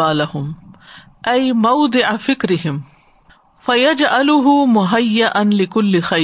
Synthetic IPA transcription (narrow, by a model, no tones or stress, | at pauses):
aːlahʊm | ʔajmawd̪ˤɪʕafɪkɾɪɦɪm | fajad͡ʒʕalʊɦʊmʊɦajːaʔanlɪkʊlːɪxa